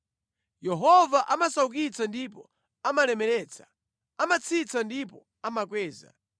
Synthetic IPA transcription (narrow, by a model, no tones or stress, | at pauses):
jɛɦɔvaʔamasauk̬it͡sandipɔ | amalɛmɛlɛːt͡sʰḁ | amat͡sʰit͡sʰandipɔ | amakwɛːza̰